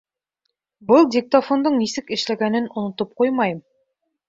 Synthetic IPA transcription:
bɤlˠdʲɪk̚t̪ɐfond̪ɤɴnisɘkɘ̆ʃlæɡænɘnŏnŏt̪ɤp̚qujmɑjɤm

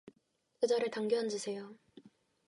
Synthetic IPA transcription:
ed͡ʑʌɾɯɭtaŋɡoɦand͡ʑusʰe̞jo

